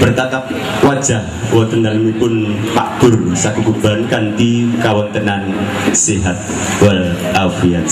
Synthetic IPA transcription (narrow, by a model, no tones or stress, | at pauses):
b̥ərt̪at̪ap̚ | wad̥d͡ʒ̥ahwat̪ənd̪almipʊnpa̰ʔd̪̥ʊrsak̪ukub̥ankant̪ikawɔnt̪ənan | siɦat̪̚ | wal | afiat̪̚